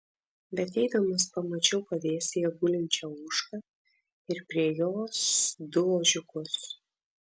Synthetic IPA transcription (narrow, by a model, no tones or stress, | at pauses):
bʲɛt̪ɛɪd̪ɐmɐspɐmɐt͡ʃʲɛʊpɐd̪ʲeːsʲejɛbuːlʲɪnʲt͡ʃʲɛːuːʃkɐ | ɪɾpʲɾʲiɛjoːsd̪ʊoːʒʲʊkʊs